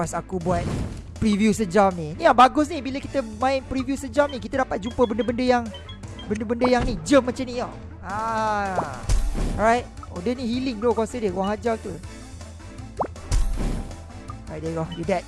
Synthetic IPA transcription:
kasakubuat̪̚pɾivjusəd͡ʒamniniabaɡʊs̬nibiləkit̪əmãɪnpɾivjusəd͡ʒamnikit̪adapat̪̚d͡ʒumpəbəndəbəndəjaŋ | bəndəbəndəjaŋnid͡ʒəmːãt͡ʃamniɔ | a | ɔɹajt̚odənihilɪŋd̪okuasədəkuwaŋɦad͡ʒat̪u | adeɡɔjudɛt̚

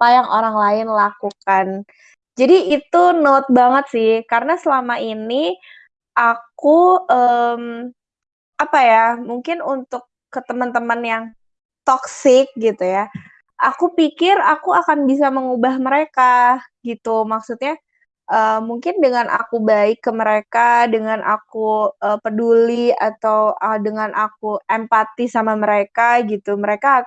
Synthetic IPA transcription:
pajaŋʔoɾaŋlaɪnlakukan | d͡ʒadiit̪unot̪̚baŋət̪̚sɪhkaɾənasəlamaini | ʔakuəm | apajamuŋkɪnunt̪ʊkːət̪əmənt̪əmənjaŋ | t̪ɔksɪk̚ɡit̪uja | ʔakupikɪrakuakanbisaməŋubahməɾekaɡit̪umaksut̪̚ɲa | ʔəːmuŋkɪndəŋanʔa̰kubaɪkːəməɾekadəŋanʔa̰kuəpədulia̰t̪awədəŋanʔak̚uʔempat̪isamaməɾekaɡit̪uməɾeka

